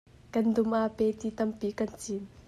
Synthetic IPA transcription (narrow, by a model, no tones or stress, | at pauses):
kɐnd̪ʊmʔaːpet̪it̪ɐmpikɐnt͡sin